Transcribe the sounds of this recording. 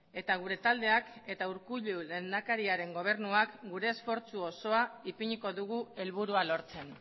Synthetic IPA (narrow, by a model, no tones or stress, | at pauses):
e̞t̪aɣ̞uɾe̞t̪ald̪e̞ake̞t̪auɾkuʎule̞nd̪akaɾiaɾe̞ŋɡo̞β̞e̞ɾnuakɡuɾe̞ːsfo̞ɾt͡suo̞so̞aipiɲiko̞ðuɣ̞ue̞lβuɾualo̞ɾt͡se̞n